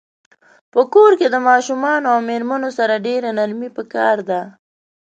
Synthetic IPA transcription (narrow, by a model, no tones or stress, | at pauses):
pəkoɾked̪əmɑʃumɑnoawmeɾmanosaɾaɖeɾanaɾmipəkɑɾd̪a